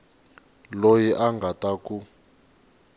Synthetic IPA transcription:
lojiʔaŋɡʱataku

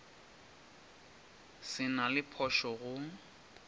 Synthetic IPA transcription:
sɪnalɪpʰɔʃɔɣʊ

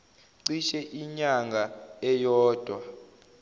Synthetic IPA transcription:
ǀiʃɛʔiɲaŋɡʱaɛjɔːd̥ʱwa

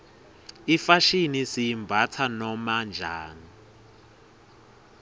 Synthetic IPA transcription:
ifaʃinisiimbʱat͡sʰanɔmand͡ʒʱaːni

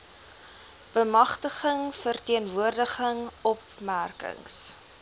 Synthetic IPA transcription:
b̥əmɐχtəχəŋfərtiənvuərdəχəŋɔp | mærkə̰ŋs

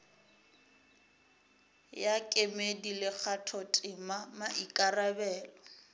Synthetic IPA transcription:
jakʼemedilɪk͡xʰatʰɔtʼɪmamaʔikʼarabɛːlɔ

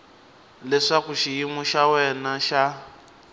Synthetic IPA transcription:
lɛʂakuʃijimuʃawɛnaʃa

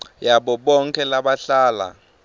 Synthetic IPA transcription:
jaɓɔɓɔŋkʰʼɛlaɓaɬaːla̰

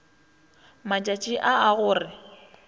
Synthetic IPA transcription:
mat͡ʃʼat͡ʃʼiʔaaɣʊːrɪ

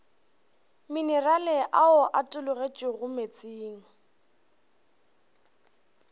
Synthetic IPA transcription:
minɛralɪʔaʊʔatʼʊlʊɣet͡ʃʼɪɣʊmet͡sʼiːŋ̩

